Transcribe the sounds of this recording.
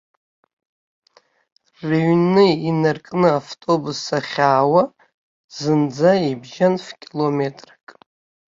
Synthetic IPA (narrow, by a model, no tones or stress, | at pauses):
reɥnɨinɨrkʼnɨaftʼo̞busaχʲaːwa | zɨnd͡zaibʒanfkʲʼilo̞metʼrakʼ